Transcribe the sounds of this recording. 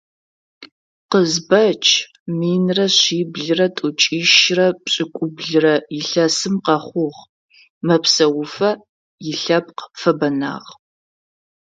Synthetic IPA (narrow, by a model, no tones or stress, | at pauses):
qəzbɐt͡ʃʼʰ | miːnrɐɕiːbɮɨrɐtʼʊt͡ʃʼiːʃrɐpɕʼɪkʷʼʊbɮɨrɐjɪɬɐsɨmqɐχʷʊʁ | mɐpsɐwʊfɐ | jɪɬɐp̚qfɐbɐna̰ːʁ